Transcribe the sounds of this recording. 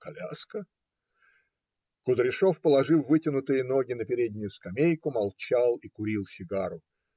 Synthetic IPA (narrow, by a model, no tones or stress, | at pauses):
kɐlʲa̰skə | kʊd̪ɾʲɪʂofpəlˠɐʐɨfˠvɨtʲɪnʊt̪ɨjəno̞ɡʲɪnəpʲɪɾʲed̪ʲnʲʊjʊskɐmʲejkʊmɐlˠt͡ɕalˠikʊɾʲilˠsʲɪɡaɾʊ